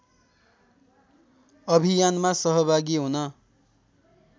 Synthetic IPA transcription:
ʌbʱijanmasʌɦʌbʱaɡiɦunʌ

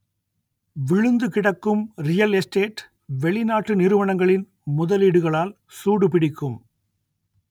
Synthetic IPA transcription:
ʋɪɻɯnd̪ɯkɪɽɐkːɯmɾɪjɐlɛsʈeːʈ | ʋɛɭɪnaːʈːɯnɪɾɯʋɐɳɐŋɡɐɭɪn | mʊðɐliːɽɯɣɐɭaːl | suːɽɯpɪɽɪkːɯm

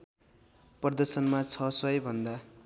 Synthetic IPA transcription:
prʌd̪ʌrsʌnmat͡sʰʌsʌjbʱʌnd̪a

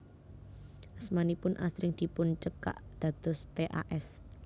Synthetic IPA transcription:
ʔasmanipʊnʔa̰sɾɪŋd̪̥i̤pʊnt͡ʃəka̰ʔd̪̥ä̤d̪̥ɔ̤st̪eʔa̰ʔɛs

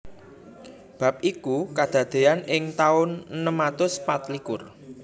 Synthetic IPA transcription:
b̥ä̤p̚ʔikukad̪̥a̤d̪̥e̤anɪŋt̪aʊnnəmat̪ʊspat̪likʊr

